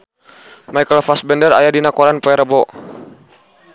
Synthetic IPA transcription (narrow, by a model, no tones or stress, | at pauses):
maijkəlfasbɛndəɾa̰jadinakɔɾanpɔɛɾəbɔ